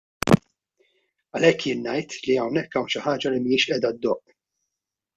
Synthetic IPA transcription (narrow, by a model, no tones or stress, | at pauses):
ɐlɛkːjɪːnːɐjt̪liɐwnɛkːɐwnʃɪħɐːd͡ʒɐlimijɪːʃʔɛːd̪ɐd̪ːɔʔ